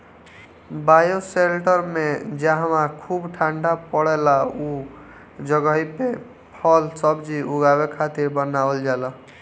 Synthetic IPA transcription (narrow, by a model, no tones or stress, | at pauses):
bajoselʈʌɾmed͡ʒaɦãmakʰubʈʰaɳɖapɔɽelau | d͡ʒʌɡʌipe | pʰʌlsʌbd͡ʒiuɡawekʰat̪iɾbʌnald͡ʒalʌ